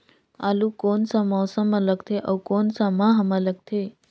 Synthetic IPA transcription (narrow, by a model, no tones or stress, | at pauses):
alukoːnsãmɔːsəmələɡt̪ʰeʔəwkonsamãɦəmələɡ̚t̪ʰe